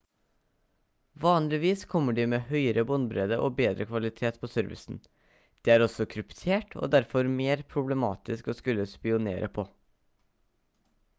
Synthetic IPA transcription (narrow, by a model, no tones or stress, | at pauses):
ʋɑːnlɪʋiːskʰɔmːəɖiːmeːhœʏəɾəbɔnbɾeːd̪əʔoːbeːd̪ɾəkʰʋɑlɪt̪ʰeːt̪pʰosœɾʋɪ̰sn̩ | d̪̥iːæːɾɔsɔkʰɾʉpt̪ʰeːʈʰo̰d̪æɾfɔɾmeːɾpʰɾʊblɛmɑ̰ːt̪ɪskɔskʉlːəspɪʊnḛːɾʔə̰pʰoː